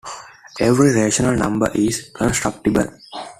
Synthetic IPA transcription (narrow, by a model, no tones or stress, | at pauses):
eʋɾiɾeːʃənəlnʌ̰̃mbə̰ɾʔizkə̃nsʈɾʌk̚ʈibə̰l